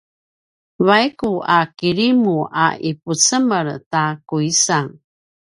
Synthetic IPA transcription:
vajkuakiɾimua̰iput͡səməɾtakuisaŋ

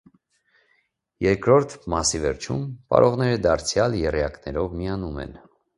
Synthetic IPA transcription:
jɛɾkɾɔɾt̪ʰmɑsivɛɾt͡ʃʰṵmpɑ̰ɾʔɔʁnɛɾəd̪ɑɾt͡sʰjɑljɛrjɑknɛɾɔvmiɑnumɛ̰n

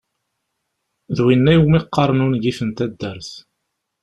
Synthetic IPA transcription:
ðwinːæjumiqːɑɾˤnunɡifənt̪æd̪ːæɾθ

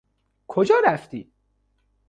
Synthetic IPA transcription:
kʰod͡ʒɒːɾæft̪ḭ̥ː

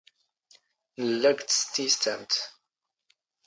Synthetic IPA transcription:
nəlːæɡʷt͡səst̪ːist̪æmt̪

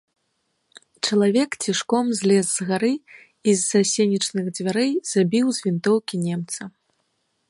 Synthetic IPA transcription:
t͡ʂɐlˠavʲɛkt͡sʲiʂkɔmzʲlʲɛzzɣaɾɨ | izːasʲenʲit͡ʂnɨɣd͡zʲvʲaɾɛjz̥abʲiwzʲvʲint̪ɔwkʲinʲɛmt̪sɐ

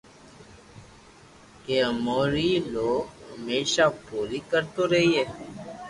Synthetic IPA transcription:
keəmoːɾiːloːɡɦəmeːʃaːbʱoːliːkəɾt̪oːɾəɦiːeː

